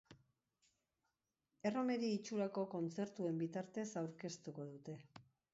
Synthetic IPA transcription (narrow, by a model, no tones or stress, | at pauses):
e̞ro̞me̞ɾiːt͡ʃuɾako̞ko̞nt͡se̞ɾt̪ue̞mbit̪aɾt̪e̞sawɾke̞st̪uko̞ðut̪e̞